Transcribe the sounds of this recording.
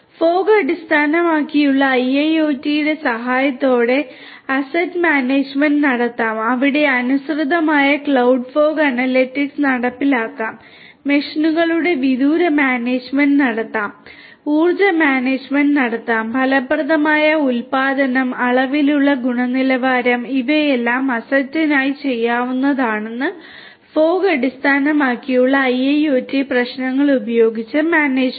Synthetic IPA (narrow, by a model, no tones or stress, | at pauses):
fo̞ːɡɐɽist̪ʰaːnɐmaːkːijuɭːɐɐjɐjo̞ːtːijiɽe̞sɐɦaːjɐt̪ːo̞ːɽe̞ | ɐsɐtːmaːneːd͡ʑmɐnɖnɐɽɐt̪ːaːmɐʋiɽe̞ɐnusrɨðɐmaːjɐkɭɐwɖfo̞ːɡɐnɐlːetːiksnɐɽɐpːilaːkːaːmː | eʂɐnuɣɐɭuɽe̞ʋiðuːɾɐmjaːneːd͡ʑmɐnɖnɐɽɐt̪ːaːm | uːrd͡ʑɐmjaːneːd͡ʑmeɳɖnɐɽɐt̪ːaːmbʱɐlɐbrɐðɐmaːjɐulpaːd̪ɐnɐmɐɭɐʋiluɭːɐɡuɳɐnilɐʋaːɾɐmiʋɐjelːaːmɐsɐtːɐnaːjit͡ɕe̞jːaːʋunːɐðaːɳe̞nːɨ | fo̞ːɡɐɽist̪ʰaːnɐmaːkːijuɭːɐːjɐjoːtːiprɐɕnɐŋːɐɭubɐjo̞ːɡit͡ɕːɨmaːneːd͡ʑ